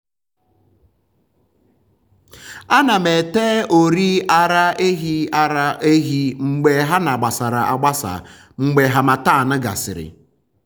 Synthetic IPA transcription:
a˦na˨me˨teː˦o˨ɾi˦a˦ɾa˦e˦ɦi˦a˦ɾa˦e˦ɦi˦ŋ͡m̩˨ɡ͡be˨ɦa˦na˨ɡ͡ba˨sa˨ɾa˨ʔa˨ɡ͡ba˦sa̰˨ | ŋ͡m̩˨ɡ͡be˨ɦa˨ma˨ta˦˨nʊ˦ɡa̰˨sɪ̰˨ɾɪ̰˨

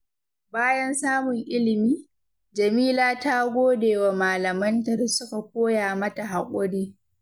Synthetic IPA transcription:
baː˦jɐ˦nsaː˦mʊ˨ŋʔɪ˦lɪ˨miː˦ | d͡ʒɐ˨miː˦laː˦taː˦ɡʷoː˦deː˨wa˨maː˨lɐ˨mɐ˦ntɐ˨rsʊ˦ka˨kʷoː˦jaː˨mɐ˦ta˨ɦa˨kʷʼʊ˦ɽiː˦

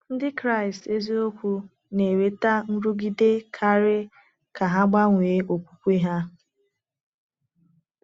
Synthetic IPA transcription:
n̩˦dɪ˦kɾa˦˨ɪ˨ste˦zi˦o˦kʷu˦ | ne˨ɾe˦ta˦n̩˦ɾu˦ɡi˦de˦kʰa˦ɾɪ˦ | ka˨ɦa˦ɡ͡ba˦ŋʷe˨˦o˨kʷu̥˨kʷi˦ɦa˦

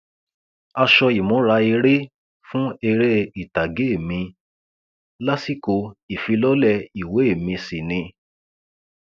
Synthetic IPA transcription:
a˧ʃɔ˧i˨mõ˨˦ɾa˧i˧ɾe˦ | fũ˦e˧ɾe˦i˨ta˨ɡe˨˦e˦˨mĩ˧ | la˦si˦ko˧i˨fi˨˧lɔ˦lɛ˧˨i˨we˨˦e˦˨mĩ˧si˨nĩ˧

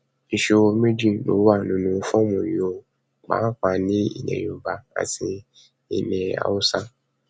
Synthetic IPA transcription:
i˧ʃe˧wo˧mĩ˦d͡ʒĩ˦˨no̰˨˦wa˦˨nĩ˨˦nũ˧fɔ̃˦mũ˨jĩ˨o˧ | k͡pã̰˨˦k͡pa˧˨nĩ˦ḭ˦˨nɛ̰̃˨õ˨ba˨a̰˨tʰi˧ | i˧nɛ̃˨a̰˨u˦sã˦

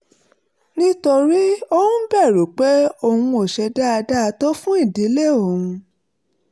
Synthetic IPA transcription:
nĩ˦to˧ɾi˦o˦wũ˦bɛ˦˨ɾo˨k͡pe˦o˦˨hũ˧o˨ʃɛ˧da˦a˧da˦˧to˦fũ˦i˦˨di˨˦le˦˨o˨hũ˧

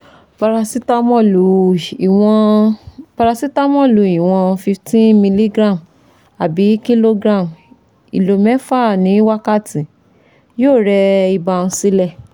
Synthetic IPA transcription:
pa˧ɾa˧si˦ta˦mɔ̃˦˨lu˨wɔ̃˧pa˧ɾa˧si˦ta˦mɔ̃˦˨lu˨i˨w̃ɔ̃˧fi˧ftĩ˦mĩ˧li˦ɡɾã˦˨m | a˨bi˨˦ki˦lo˦ɡɾã˦˨m | ḭ˨lo˨mɛ˨˦fa˦˨nĩ˨˦wa˦ka˦˨tĩ˨ | joː˦˨ɾɛ˧i˧ba˧ñ̩˧si˦lɛ˦˨

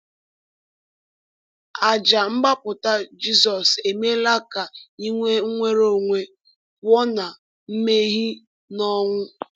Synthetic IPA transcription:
a˨d͡ʒa˨ŋ͡m̩˦ɡ͡ba˦pʊ˨ta˦d͡ʒi˦sɔ˨se˨me˦la˦ka˨i˦ŋʷe˦ŋ̩˦ŋʷe˦ɾo˦ŋʷe˨ | pʊ˦ɔ˦na˨ | m̩˦me˦ɣi˦ | nɔ˦ŋʷʊ˦

